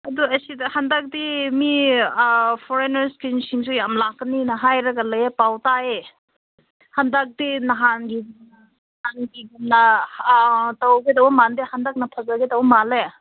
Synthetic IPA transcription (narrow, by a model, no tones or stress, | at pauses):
ɐduɐsidɐhandak̚dimi | pʰɔɾenɐɾskinsiŋs̬ujamlakːɐninɐɦajɾɐɡɐlɐjepawtae | handak̚dinɐɦanɡiɡumnɐ | hanɡiɡimnɐ | tɐwɡedɐwmandehandak̚nɐpʰɐzaɡedɐwmale